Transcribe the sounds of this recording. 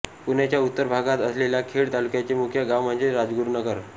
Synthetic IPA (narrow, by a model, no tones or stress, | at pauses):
punjat͡ɕjaut̪ːəɾbʱaɡat̪əsleljakʰeɭt̪alukjat͡ɕemukʰjəɡawməɳd͡ʑeɾad͡zɡuɾnəɡəɾ